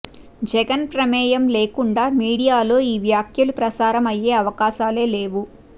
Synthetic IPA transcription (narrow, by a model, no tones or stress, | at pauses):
d͡ʒɛɡɐnpɾɐmɛːjɐmle̞ːkuɳɖaːmiːɽijaːlo̞ːiːʋjaːkʰjɐlupɾɐsaːɾɐmɐje̞ːɐʋɐkaːʃaːle̞ːle̞ːʋu